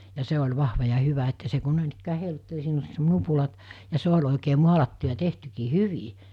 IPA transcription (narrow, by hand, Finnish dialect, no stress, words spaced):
jɑ se olʲ ʋɑhʋɑ jɑ hyʋæ etːæ se ku noˑinikːæː heilutːel siːn olʲ nupulɑt jɑ se olʲ oˑikeː muɑlɑtːu jɑ tehtykiː hyʋi